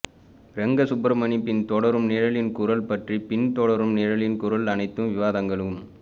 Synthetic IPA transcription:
ɾɛŋɡɐsʊbɾɐmɐnipɪnt̪ɔɽɐɾɯmnɪːɻɐlɪnkʊɾɐlpɐʈripɪnt̪ɔɽɐɾɯmnɛːɻɐlɪnkʊɾɐlɐnɐɪt̪ːɯmʋɪʋaːðɐŋɡɐɭɯm

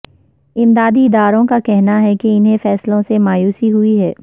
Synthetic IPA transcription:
ɪmd̪aːd̪iɪd̪aːɾõkakɛɦnaɦɛkeɪnɦẽfɛːslõsemaːjuːsiɦʊiɦɛː

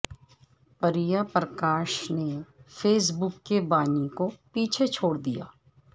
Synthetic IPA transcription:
pɐɾijapɾəkaːʃnefeːs̬bʊkːebaːnikopiːt͡ʃʰet͡ʃʰoːɽd̪ija̰ː

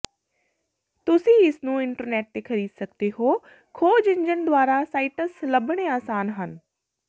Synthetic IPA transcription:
t̪ʊsĩɪsnũɪ̃ɳʈəɾneːʈ̚t̪ekʰɐɾiːd̪sɐkd̪eɦoː | kʰoːd͡ʑɪ̃ɲd͡ʑənɪ̆d̪waːɾasaːɪʈəslɐbʱəɽ̃eaːsaːnɦənɪ̆

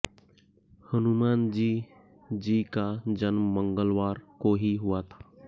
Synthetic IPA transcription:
hənumaːnd͡ʒiː | d͡ʒiːkad͡ʒənːəŋɡəlʋaːɾkoːɦiɦʊat̪ʰḁ

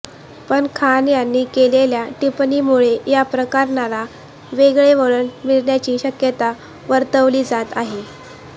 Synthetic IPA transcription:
pəɳkʰanjanːiːkeleljaʈipniːmuɭejapɾəkaɾnala | ʋeɡɭeʋəɭəɳmiɭɳjat͡ɕiːɕəkjət̪a | ʋəɾt̪əʋliːd͡zat̪aɦe

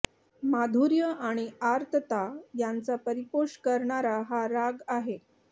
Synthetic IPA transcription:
mad̪ʱuɾjəʔaɽ̃iaɾt̪ʰət̪ajant͡sapəɾipoɕkəɾɳaɾaɦaɾaɡaɦe

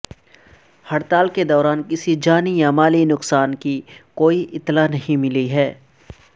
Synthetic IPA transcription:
hɐɽt̪aːlked̪ɔːɾaːnkɪsid͡ʒaːnijamaːlinʊksaːnkikoːiʔɪt̪ːlanɐɦĩmɪliɦɛː

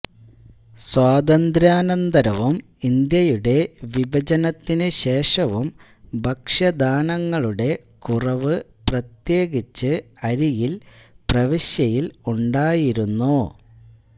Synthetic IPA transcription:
swaːd̪ɐnd̪ɾaːnɐnd̪ɐɾɐʋum | ind̪jɐjuɽe̞ʋibʱɐd͡ʑɐnɐt̪ːinɨɕe̞ːʂɐʋum | bʱɐkʂɐd̪aːnɐŋːɐɭuɽe̞ | kurɐʋɨ | prɐt̪je̞ːɡit͡ɕːɨɐɾijilprɐʋiɕjɐjiluɳɖaːjiɾunːu

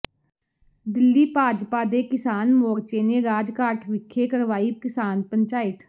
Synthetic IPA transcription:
d̪ɪlːiːpaːd͡ʒpaːd̪eːkɪsaːnmɔːɡt͡ʃeːneɾaːd͡ʒkaːʈʰʋɪkʰːekəɾʋaːikɪsaːnpə̃ɲt͡ʃaːɪt̪

